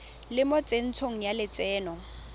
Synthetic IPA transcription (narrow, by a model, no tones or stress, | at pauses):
lɪmot͡sʼen̩t͡sʰoŋ̩jalɪt͡sʼɛːnɔ